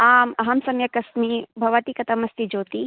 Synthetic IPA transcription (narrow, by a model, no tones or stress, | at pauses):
aːmɐɦɐmsɐmjɐkɐsmibʱɐʋɐt̪ikɐt̪ɐmɐst̪id͡ʒoːt̪i